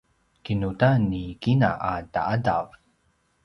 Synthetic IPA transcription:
kinutanikinaʔada̰ʔada̰v

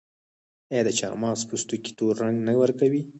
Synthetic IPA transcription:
jd̪ət͡ʃɑ̰ːmɑːspust̪uki̥t̪oɾːaŋɡnawəɾkawi

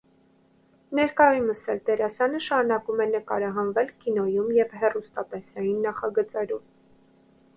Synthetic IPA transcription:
nɛɾkɑjuməsɛlt̪ɛɾɑsjɑnəʃɑɾunɑkumɛnəkɑɾɑɦɑnvɛlkinɔjumjɛvhɛrust̪ɑt̪ɛsɑjinːɑχɑɡət͡sɛɾum

